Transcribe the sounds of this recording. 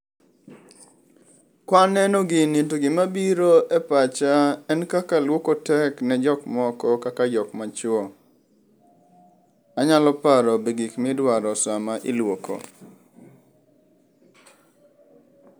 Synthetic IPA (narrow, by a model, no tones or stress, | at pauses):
kwanɛnɔɡɪnitoɡɪmabiɾoʔɛpat͡ʃaɛnkakalwokotɛknɛd͡ʒɔkmɔkɔkakajɔkmat͡ʃʊɔ | aɲalɔpaɾɔbeɡikmɪdwaɾɔsamaʔilwoko̰